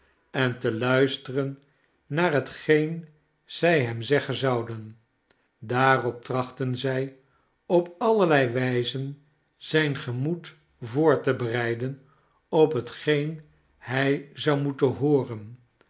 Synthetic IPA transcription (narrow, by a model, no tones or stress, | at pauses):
ɛntəlœɥstərənː | aːrɦətχejn | z̥ɛjɦɛmzɛχənzɑwdən | daːrɔp̚trɑχtənzɛj | ɔpɑləɹlɛjʋɛjzən | z̥ɛjnχəmut | vʊːɹtəbərɛjdən | ɔpɦətχejn | hɛjzɑwmutəɦʊːrən